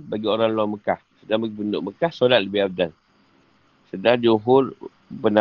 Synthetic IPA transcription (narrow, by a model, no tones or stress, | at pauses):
baɡioɾaŋlaməkahsədaŋbaɡibəndʊ̰ʔ̚məkahsolat̪̚ləbɪhab̚dan | sədahd͡ʒuŋɦʊr | bəna